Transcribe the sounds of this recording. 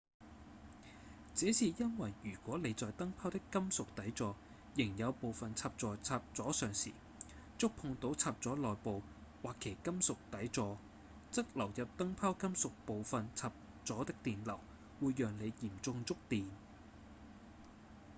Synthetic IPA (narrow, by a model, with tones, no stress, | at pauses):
t͡sɛː˨˥siː˨jɐ˥nwɐ˨˩jyː˨˩kʷɔː˨˥le˨˧jt͡sɔː˨jt̪ɐ˥ŋpʰaː˥wt̪ɪ˥kːɐ˥msʊ˨k̚t̪ɐ˨˥jt͡sɔː˨˧ | jɪ˨˩ŋjɐ˨˧wpo˨wfɐ˨nt͡sʰaː˧p̚t͡sɔː˨t͡sʰaː˧p̚t͡sɔː˨˥sœː˨ŋsḭː˨˩ | t͡sʊ˥k̚pʰʊ˧ŋt̪o˨˥wt͡sʰaː˧p̚t͡sɔː˨˥lɔː˨jpo˨w | waː˨kʰːe˨˩jkɐ˥msʊ˨k̚t̪ɐ˨˥jt͡sɔː˨˧ | t͡sɐ˥k̚lɐ˨˩wjɐ˨p̚t̪ɐ˥ŋpʰaː˥wkɐ˥msʊ˨k̚po˨wfɐ˨nt͡sʰaː˧p̚ | t͡sɔː˨˥t̪ɪ˥k̚t̪iː˨nlɐ˨˩w | wuː˨˧jːœː˨ŋle˨˧jjiː˨˩mt͡sʊ˧ŋt͡sʊ˥k̚t̪iː˨n